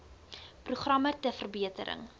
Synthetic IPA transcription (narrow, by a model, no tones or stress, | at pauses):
pruχrɐmətəfərbiətə̰ɾə̰ŋ